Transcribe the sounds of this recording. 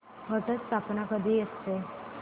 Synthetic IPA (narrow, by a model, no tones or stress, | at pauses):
mət̪ət͡st̪apnakəd̪ʱiːjəst̪e